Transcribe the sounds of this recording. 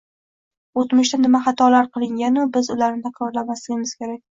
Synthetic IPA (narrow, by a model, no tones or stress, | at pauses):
ot̪mʊʃt̪anɪmaχɑt̪ʰɒlaɾqʰɨlˠɪŋɡʲanʊbɪzʊlaɾnɪt̪ʰakʰɾɒɾlamaslɪɡʲɪmɪz̥kʲe̞ɾakʲ